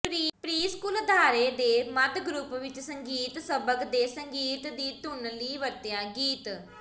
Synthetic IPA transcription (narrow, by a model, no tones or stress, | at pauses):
pɾiːpɾiːskuːld̪ʱaːɾeːd̪eːməd̪ɡɾʊpʋɪt͡ʃsəŋɡiːt̪səbəkd̪eːsəŋɡiːt̪d̪iːt̪ʊnliːʋəɾt̪ejãːɡiːt̪